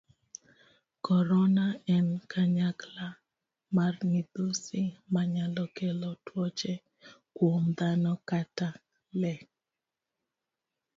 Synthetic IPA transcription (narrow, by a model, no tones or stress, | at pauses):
kɔɾɔnaɛnkʰaɲakla | marmid̪osimaɲalɔkelɔtwɔt͡ʃɛ | kwomd̪anɔkata | lɛ